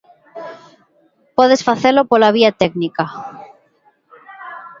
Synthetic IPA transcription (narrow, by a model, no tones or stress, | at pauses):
poðe̞sfaθelopolaβ̞iat̪eɡnika